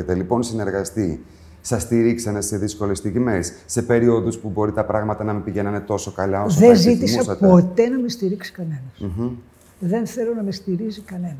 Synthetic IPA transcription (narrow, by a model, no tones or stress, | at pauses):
et̪e̞lipo̞nsine̞ɾɣɐst̪i | sɐst̪iɾiksɐne̞se̞ðisko̞lest̪iʝimesːe̞pe̞ɾio̞ðuspubo̞ɾit̪ɐpɾɐɣmɐt̪ɐnɐmepiʝe̞nɐne̞t̪o̞so̞kɐlɐosðezit̪ismuɐsɐt̪po̞t̪e̞nɐmest̪iɾiksi̥kɐne̞nɐsm̩ | ðe̞nθe̞lonɐmest̪iɾizikɐne̞nɐ